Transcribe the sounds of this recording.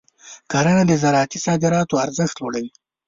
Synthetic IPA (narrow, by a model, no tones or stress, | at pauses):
kɑɾanad̪əzaɾɑat̪isɑd̪ɪɾɑt̪oaɾzəxt̪loɽawi